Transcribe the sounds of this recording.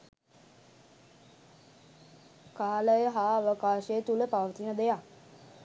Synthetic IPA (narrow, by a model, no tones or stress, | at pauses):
kaːləjəɦaːəʋəkaːʃəjət̪uləpaʋət̪inəd̪ejak